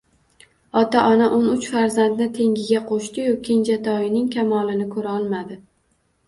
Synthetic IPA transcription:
ɒt̪aʔɒnaʔonʊt͡ʃfaɾzand̪nɪt̪ʰe̞ŋɡʲɪɡʲaqʰoʃt̪ɪjokʲʰend͡ʒat̪ʰɒjɪnɪŋkʲʰamɒlɪnɪkʰɵɾaɒlˠmad̪ɪ

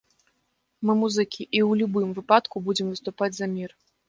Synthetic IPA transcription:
mɨmuzɨkʲʰiʔiwlʲubɨmvɨpat̪kubud͡zʲɛmvɨst̪upad͡zʲzɐmʲir

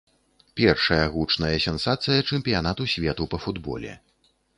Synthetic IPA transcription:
pʲɛrʂɐjɐɣut͡ʂnɐjɐsʲɛnsat̪sɨjɐt͡ʂɛmʲpʲijanat̪usʲvʲɛt̪upɐfud̪bɔ̰lʲɛ̰

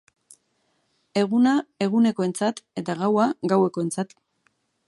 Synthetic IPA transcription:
e̞ɣ̞unae̞ɣ̞une̞ko̞e̞nt͡sat̪e̞t̪aɣawaɣawe̞ko̞e̞nt͡sat̪

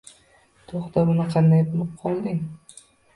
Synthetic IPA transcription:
t̪ʰoχt̪abʊnɪqʰɑnd̪ajbolˠɪp̚qʰɒlˠd̪ɪŋ

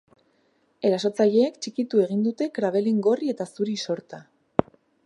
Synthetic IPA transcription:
e̞ɾaso̞t͡saʎe̞ːkt͡ʃikit̪ue̞ɣ̞ind̪ut̪e̞kɾaβe̞liŋɡo̞rie̞t̪asuɾiso̞ɾt̪a

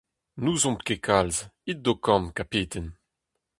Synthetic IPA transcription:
nuːzɔ̃mtkekʰalzid̚dokɑ̃mkapeːt̪ʰɛn

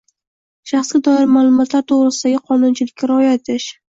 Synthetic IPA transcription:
ʃaχsɡʲad̪ɒɪɾmaːlˠʊmɒt̪laɾt̪ʰoʁɾɪsɪd̪aɡʲɪqʰɒnʊnt͡ʃʰɪlɪkʲkʲaɾɒjat̪ʰɪʃ

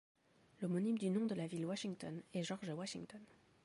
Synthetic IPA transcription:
lomɔnimd̪ynɔ̃d̪əlavilwaʃiŋt̪ɔnɛʒɔʁʒəwaʃiŋt̪ɔn

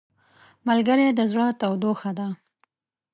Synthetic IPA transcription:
malɡəɾed̪əzɽət̪awd̪oxad̪a

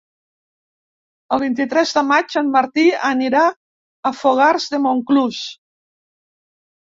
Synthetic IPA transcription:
əlˠβ̞int̪it̪ɾɛzðəmad͡ʒənmaɾt̪iəniɾaː | foɣaɾzðemoŋkluʃ

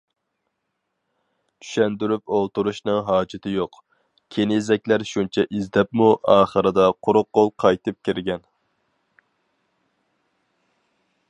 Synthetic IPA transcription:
t͡ʃ̪ʰy̥ʃɛnd̪yɾypolˠt̪uɾuʃnɨŋɦɑːd͡ʒɪt̪ʰɪjoq | kʲʰenezɛk̚ʲlæɾʃunt͡ʃʰɛʔizd̪ɛpmuʔɑːχəɾɨd̪ɑqʰʊɾʊqːolˠqʰɑjt̪ɨp̚kʲiɾɡʲɛn

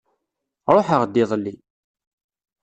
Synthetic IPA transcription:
ɾˤoħəʁd̪ːiðˤlːi

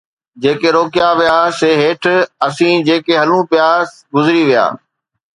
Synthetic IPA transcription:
d͡ʑeːkeɾoːkɪjaʋijaːseːɦeːʈʰɐsĩːd͡ʑeːkeɦɐlũpjaːs | ɡʊzɪɾiʋija̰ː

